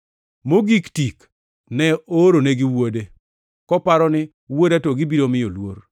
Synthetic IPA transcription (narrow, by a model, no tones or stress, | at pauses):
moɡiktik | nɛoɾoneɡɪwode | kɔpaɾɔnɪ | wodatɔɡɪbiɾomɪjolwoɾ